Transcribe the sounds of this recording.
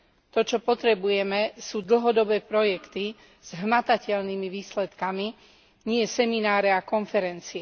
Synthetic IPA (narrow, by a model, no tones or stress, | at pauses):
t̪ɔt͡ʃɔpɔt̪ɾɛbujɛmɛsuːd̪l̩ɦɔd̪ɔbɛːpɾɔjɛkt̪i | z̥ɦmat̪acɛʎnimiʋiːslɛt̪kami | ɲɪɛjɛsɛminaːɾɛakɔnfɛɾɛnt͡siɛ